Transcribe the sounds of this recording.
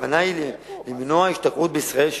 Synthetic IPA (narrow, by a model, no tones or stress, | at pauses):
anajlimnoaiʃt̪akʁut̪̚beisʁaelʃ